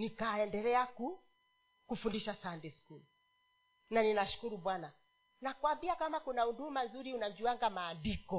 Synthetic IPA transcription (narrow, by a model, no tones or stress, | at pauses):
nikaɛndɛlɛaku | kufundiʃasandɛskul | naninaʃu̥kuɾuɓwana | nakuambiakamakunaudumanzuɾiunad͡ʒuaŋɡamaːndikɔ